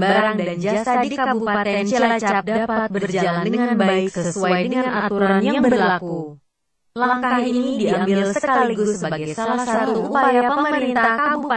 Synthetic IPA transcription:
baaɾaŋdand͡ʒaasadikabupaat̪ɛnt͡ʃəlat͡ʃap̚dapat̪̚bərd͡ʒaalandəŋanbaaɪɪksəəsuajjdəəŋaŋnʔat̪uɾanjaaŋbəblaku | laŋkaahinnidiʔambɪllsəkaliɡʊsəbaɡaajsalahsat̪uuuːppajaapəəməəɾiɾint̪aahkabua

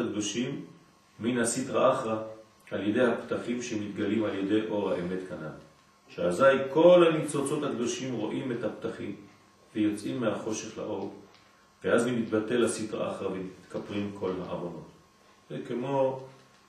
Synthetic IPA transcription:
akdoʃimː | inhasitʁaʔaχʁa | ʔaljedejhaptaχimʃemit̪ɡalimalje̞de̞jʔo̞ʁha̰ʔeme̞tkanal | ʃeazajko̞lhanit͡so̞t͡so̞t̪hakd̪o̞ʃimʁo̞ʔimethaptaχim | vejo̞t͡sʔimːehaχo̞ʃe̞χla̰ʔo̞ʁ | veʔazmimit̪̚bate̞lasitʁa̰ʔa̰χʁavemit̪kʰapʁimkʰo̞lɦaʔa̰vono̞t̪ | zekemo̞

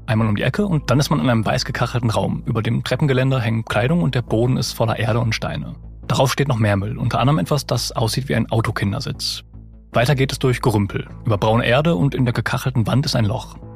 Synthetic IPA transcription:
ʔaɪnmalʊmdḭʔɛkʰəʊnt̚d̥anɪstmanɪnʔaɪəmva̰ɪsɡ̥əkʰaχl̩tn̩ʁaʊmʔyːbɐdeːmtʁ̥ɛpn̩ɡəlɛndəɦɛŋənkʰl̥aɪɾʊŋʊnt̚d̥eːɐboːdn̩ɪ̰stfɔlɐ̰ʔeːɐɾəʊntʃta̰ɪnə̰ | d̥aʁaʊfʃteːtnɔχmeːɐmʏlʔʊntʰɐʔa̰ndʁəmʔɛtv̥asd̥asʔa̰ʊsz̥iːtv̥iːʔa̰ɪnʔaʊtokʰɪndɐ̰zɪt͡s | v̥aɪtɐɡeːtɛsd̥ʊɐçɡ̥əʁʏmpʰl̩ʔyːbɐbʁaʊnəʔeːɐdəʊntɪndeːɐɡəkʰaχl̩tn̩vantɪstaɪnlɔ̰χ

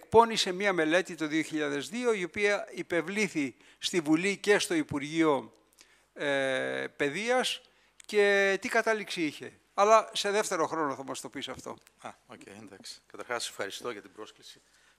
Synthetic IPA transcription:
ek̚po̞nise̞miɐme̞le̞t̪it̪oðio̞çiʎɐðe̞zðio̞io̞piɐipe̞vliθi | st̪ivulice̞st̪o̞ipuɾʝio̞ | epe̞ðiɐs | ce̞t̪ikɐt̪ɐliksiiçe̞ | ɐlɐse̞ðe̞ft̪e̞ɾo̞xɾo̞noθɐmɐst̪o̞pisɐft̪o̞̰ | ɐocḛjnd̪ɐkskɐt̪ɐɾxɐssefxɐɾist̪oʝɐt̪ibɾo̞sklisi̥

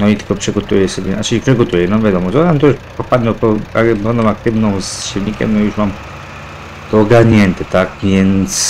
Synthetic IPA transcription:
nɔit̪ɘ̥kɔpʂɛɡɔt̪ujɛsɔbʲjɛnat͡ʃɘipʂɛɡɔt̪ujɛnɔvʲjad̪ɔmɔɔamt̪ɔjuʂpɔpad̪nɔwpɔabɛ̃nd̪ɔmak̚t̪ɘvnɔ̃w̃sɕilɲikʲɛ̰mnɔjuʂmam | t̪ɔːɡaɾɲɛnt̪ɛt̪akvʲjɛnt̪s

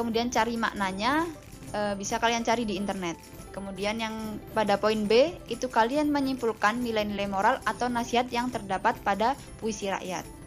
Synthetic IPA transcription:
kəmudiant͡ʃaɾima̰ʔnaɲa | ʔəbisakaliant͡ʃaɾidiːnt̪ərnɛt̪̚ | kəmudianjaŋpadapoinbeit̪ukalianməɲimpulkanːilajnilajmoɾalat̪awnasiɦat̪̚jaŋt̪ərdapat̪̚pada | puisiɾa̰ʔja̰t̪̚

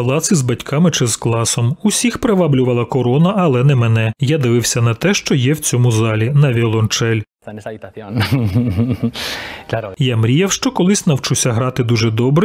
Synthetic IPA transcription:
pɐlˠɑt̪sʲizbɐtʲkʰɑmɪt͡ʃɪzklˠɑsɔmusʲixpɾeʋɑblʲʊʋɐlˠɐkɔɾɔnɐɐlˠɛnɛmɛnɛjad̪ɪʋɪwsʲɐnɐt̪ɛʃt͡ʃɔjɛwt͡sʲɔmʊzɑlʲinɐʋʲilˠɔnt͡ʃɛlʲ | jamɾʲijɐwʃt͡ʃɔkɔlˠɪsʲnɐwt͡ʃusʲɐɦɾɑt̪ɪd̪uʒɛd̪ɔbɾɪ

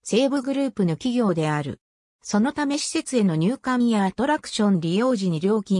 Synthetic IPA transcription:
se̞ːbɯɡɯ̟ɾɯ̟ːpɯ̟no̞kʲiɡʲo̞ːd̪e̞aɾɯ̟̰ | so̞no̞t̪ame̞ɕi̥se̞t͡sɨe̞no̞ɲ̟ɨːkãjat̪o̞ɾakɯ̥ɕõ̞nɾʲijo̞ːʑiɲ̟iɾʲo̞ːkʲĩ

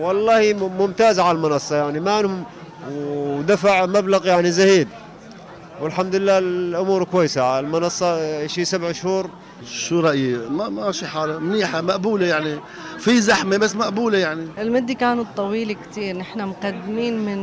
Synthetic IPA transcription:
wɑlˤːɑːhimʊmt̪aːzʕalalmʊnɑsˤːɑjaʕnimaʕɪnhʊm | wd̪afaʕmablaɣjaʕnizahiːd̪ | wɪlħamd̪lɪlːaːʔʊmuːɾkwajːsaʕalmʊnɑsˤːɑʃiːsabʕɪʃhuːɾ | ʃuɾˤɑʔjimamaʃiħaːlamniːħamaʔbuːlajaʕni | fizaħmebasːmaʔbuːlajaʕniʔɪlmɪd̪ːikaːnut̪ˤːɑwiːlikt̪iːɾnɪħnamqad̪ːɪmiːnmɪn

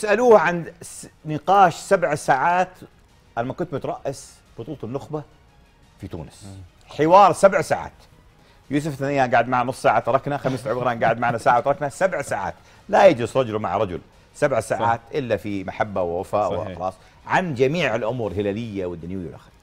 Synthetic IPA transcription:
ɪsʔaluːhʕannɪqɑːʃsabʕsaːʕaːt̪ | ʔalmakʊnt̪̚mɪt̪ɾˤɑʔːas | b̥ʊt̪ˤuːlt̪ˤɑnːʊxba | fit̪ṵːnɪs | ħɪwɑːɾˤsabʕsaːʕa̰ːt̪ | juːs̬ʊfθanjːaːɡaːʕɪd̪maʕnanʊsˤːaːʕat̪ɑɾˤɑknaxamisʕbɪɣɾaːmɡaːʕɪd̪maʕnasaːʕawt̪ɑɾˤɑknasabʕsaːʕa̰ːt̪ | lajad͡ʒlɪsɾˤɑd͡ʒʊlma̰ʕɾˤɑd͡ʒʊ̰l | sabʕsaːʕaːt̪ʔɪlːafimaħabːawɪwafaːʔxɑlɑ̰ːsˤ | ʕand͡ʒamiːʕɪlʔʊmuːɾɦɪlaːlɪjːawɪd̪ːanjwɪjːawlʔa̰xl

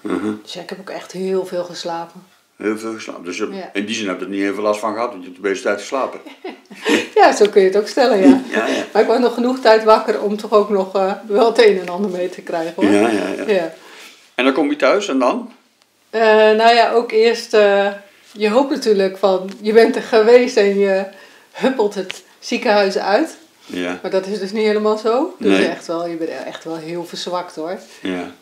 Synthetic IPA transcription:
d̥sjaɪkhɛpokɛxthɪːəlˠvɪːlˠxəslaːpən | heːlˠveːlˠxəsla̰ːpəndøsaɪndizɪnhɛbədətnieːnvəlastfɔnɣəɦɑtɔntjətəbeːsətɛjtə̥slaːpə | jasoːkønjətokstɛlənjamarɪkʋɔsnɔxənuxtɛjtʋakərɔmtʰɔxoːknɔxʋɛlˠtejnɛnɑndərmejtʰəkrɛjɣəaja | ɛndɔnkɔmtitœɥsɛndɔn | ənojaʔoːkɪərstə | jəɦowptnatyːɹləkfɔnjəbɛntəχəʋeːstɛnjə | høpəlˠtət | sikəɦœɥzəœɥt | maɹdɔtɪsdøsnitheləmaːlˠzowdøɛxtʋɛlˠjəbɛnɛ̰xtʋɛlˠɦɪəlˠfərsʋɑktoə

